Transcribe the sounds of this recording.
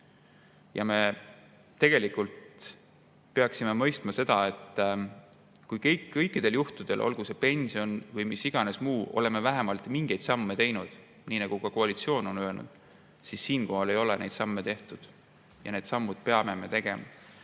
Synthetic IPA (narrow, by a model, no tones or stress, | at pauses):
jɑme̞ | t̪ːe̞ɡ̥e̞likult̪ | pe̞ɑksime̞mɤ̞jst̪mɑse̞d̪̥ɑe̞t̪ːˑ | kujkejkːɤ̞jkːˑid̪̥e̞ljuht̪ud̪̥e̞lʔo̞̰lɡuse̞pe̞nʲsio̞nvɤjmisiɡ̥ɑne̞smuːo̞̰le̞me̞væɦemɑlt̪ˑmiŋɡ̥e̞jd̪̥sɑmːe̞t̪e̞jnud̪̥ | niːnɑɡ̥ukɑkoɑlit̪sio̞ːno̞nøelnṵd̪̥ | sisːiːnko̞ɦɑle̞jo̞lene̞jd̪sɑmːet̪e̞ht̪ud̪̥ | jɑ̰ne̞ːd̪̥sɑmːud̪̥̚pe̞ɑme̞me̞t̪e̞ɡ̥e̞mɑ̰